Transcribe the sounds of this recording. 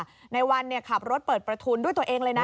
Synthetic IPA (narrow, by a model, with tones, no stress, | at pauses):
na˧jwa˧nːi˥˩ɐkʰa˨˩p̚ɾo˦˥t̪̚pəɤː˨˩t̪̚pɾa˧t̪ʰuː˧ndu˥˩jt̪u˧əʔeː˧ŋlɤː˧jna˦˥